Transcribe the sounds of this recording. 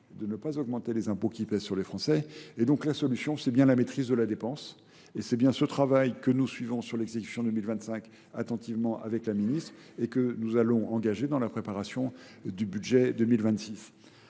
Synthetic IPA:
d̪ənəpazɔɡmɑ̃t̪elezɛ̃pokʲipɛzsyʁlefχɑ̃sɛed̪ɔ̃klasɔlysjɔ̃sɛbjɛ̃lamet̪χizd̪əlad̪epɑ̃s | esɛbjɛ̃sət̪χavajkənusɥivɔ̃syʁlɛɡzekʲy̥sjɔ̃d̪ømilvɛ̃t̪sɛ̃k | at̪ɑ̃t̪ivmɑ̃ʔa̰vɛklaminist̪χ | ekənuzalɔ̃ʔɑ̃ɡaʒed̪ɑ̃lapχepaʁasjɔ̃ | d̪ybyd̪ʒɛd̪əmilvɛ̃t̪sis

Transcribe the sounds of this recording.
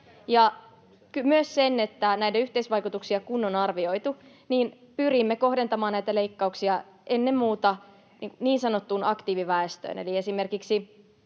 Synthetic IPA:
jɑ | kymyøssenːet̪ːænæitæyht̪eisʋɑjkut̪uksiɑkunːonɑrʋio̞it̪u | niːn | pyrimːeko̞hde̞nt̪ɑmɑːnnæit̪æleikːɑuksiɑ | ʔenːemːuːt̪ɑ | niːŋkuniːnsɑnot̪ːunɑkt̪iːʋiʋæest̪ø̰ːnḛlie̞sime̞rkiksi

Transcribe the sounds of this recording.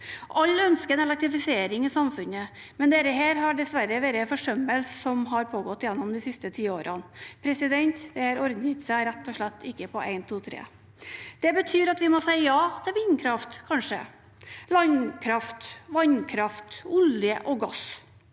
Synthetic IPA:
ʔɑlːœnskəɛnɛlɛk̚t̪ɾɪfɪseːɾɪŋɪsɑmfʉnə | mɛnd̪eːɾəɦeːɾɦɑɖɛsʋæɾəʋeːɾəfɔʂœmːəlsːɔmɦɑɾpʰoːɡɔt̪ːjɛnːɔmd̪ɪsɪst̪ət̪ʰiːoːɾʔɑnpʰɾɛsɪd̪ɛnt̪d̪ɛhɑɾɔɾd̪n̩ɪt̪sæɪɾæt̪ːɔʂɭæt̪ːɪkːəpʰɔʔæ̰ɪnt̪ʰuːt̪ʰɾḛː | d̪̥ɛbət̪ʰyːɾɑt̪ʋɪmɔsæɪəjɑːd̪̥ɛɾɪːnkʰɾɑft̪kʰɑnʂə̰ | lɑɲkʰɾɑft̪ʋɑɲkʰɾɑft̪ʊljəʔɔɡɑs

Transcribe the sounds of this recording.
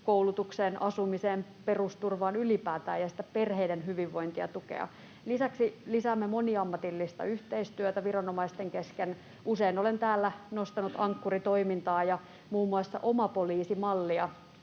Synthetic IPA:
koulut̪ukseːnɑsumiseːmperust̪urʋɑːnylipæːt̪æːjɑsi̥t̪ːæperheidenɦyʋiʋːo̞int̪iɑ̰t̪ukḛɑ̰ | lisæksilisæːmːemo̞niɑmːɑt̪ilːist̪ɑ̰yht̪eist̪yøt̪æʋirɑnomɑist̪eŋkesken | ʔuseinolent̪æːlːænost̪ɑnut̪ɑŋkːurit̪oimint̪ɑːjɑ | muːmːuɑsːɑ̰ʔomɑpoliːsimɑlːiɑ

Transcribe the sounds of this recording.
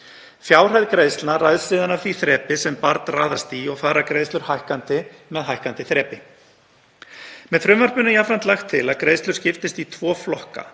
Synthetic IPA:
fjaːwr̥ajðkɾejðst̪lnarajðsɪːðanavθiθɾɛːpɪsɛmpaɾt̪nraːðast̪iɔɣfaːɾakɾejst̪lʏɾ̥hajhkant̪ɪmɛðɦajhkant̪ɪθɾɛːpɪ | mɛðfɾʏmvar̥pʏnʏiafɾant̪laxt̪ʰːɪlaðkɾejðst̪lʏɾ̥scɪft̪ɪst̪it̪ʰvɔːflɔhka̰

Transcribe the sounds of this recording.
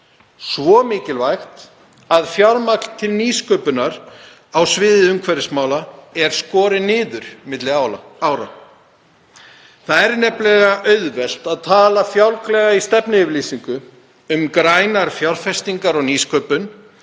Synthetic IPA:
svɔmɪːcɪlvajxt̪ | aðfjawɾmakl̥t̪ʰɪlniːskœːpʏnaɾ | awsvɪːðɪʏmkʰvɛɾɪsmaːwlaɛɾ̥skɔːɾɪnɪːðʏɾ̥mɪt̪lɪaawɾa̰ | θaðɛɾnɛplɛɣaʔœɥðvɛl̥t̪aðt̪ʰaːlafjawlklɛɣaist̪ɛpnɪɪvliːsiŋkʏ | ʏmkɾajnaɾ̥fjawɾ̥fɛst̪iŋkaɾɔɣniːskœːpʏn

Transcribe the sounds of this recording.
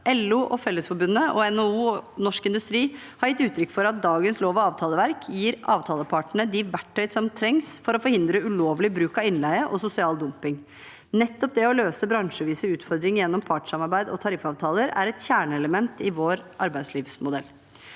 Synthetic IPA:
ʔɛluːʔɔfɛlːəsfɔɾbʉnːəʔɔɛnouːɔnɔʂkɪnd̪ʉst̪ɾiː | hɑɾjɪt̪ːʉːt̪ʰɾʏkːfɔɾɑt̪̚d̪ɑːɡənsloːʋɑɑːʋt̪ʰɑːləʋæɾkʰjiːɾɑ̰ːʋt̪ʰɑːləpʰɑʈəɳəd̪ɪʋæʈʰːœʏd̪sɔmt̪ʰɾɛŋsfɔɾɔfɔɾhɪnd̪ɾəʉloːʋlɪbɾʉːkɑʋɪnlæɪəʔɔsʊsɪɑːld̪ʊmpɪŋ | nɛt̪ːɔp̚d̪ɛɔløːsəbɾɑŋʂəʋiːsəʉːt̪fɔɾd̪ɾɪŋjɛnːɔmpʰɑʈsɑmɑɾbæɪd̪ɔ̰t̪ʰɑɾɪfɑːʋt̪ʰɑːləɾæ̰ɾɛt̪çæːɳəɛləmɛnt̪ɪʋoːɾʔɑɾbæɪd̪sliːʋsmʊd̪ɛlː

